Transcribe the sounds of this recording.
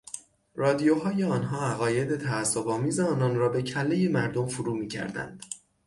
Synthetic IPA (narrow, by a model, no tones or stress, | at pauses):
rɒːd̪ijoɦɒːje̞ɒːnɦɒːæɣɒːje̞d̪e̞t̪ʰæːsːobɒːmiːze̞ɒːnɒnrɒːbe̞cʰælːe̞je̞mæɾd̪omfuɾuːmiːcʰæ̰ɾd̪æ̰nd̪̥